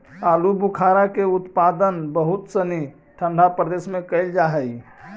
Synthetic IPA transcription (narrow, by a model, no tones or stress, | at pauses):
alubukʰaɾakeut̪pad̪ənbəɦut̪səni | ʈʰə̃nd̪ʱapɾəd̪esmẽkəɪld͡ʒaɦəj